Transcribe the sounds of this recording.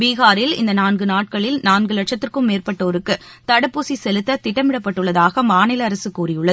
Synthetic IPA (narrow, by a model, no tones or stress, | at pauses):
biːɣaːɾɪlɪ̰nd̪ɐnaːnɡɯnaːʈ̚kɐɭɪlnaːnɡɯlɐʈʂɐt̪ːɯrkɯmːeːrpɐʈːɐːɾɯkːɯ | t̪ɐɽɐpːuːsisɛlɯt̪ːɐt̪ɪʈːɐmɪɽɐpːɐʈːɯɭːɐðaːɣɐmaːnɪlɐːɾɐsɯkːuːrɪjɯɭːɐðɯ